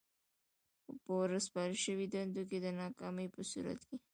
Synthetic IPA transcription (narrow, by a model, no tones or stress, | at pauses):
pəwɾəspɑɾiʃəwid̪and̪ok̬ed̪ənɑkɑməjpəsṵɾa̰t̪ke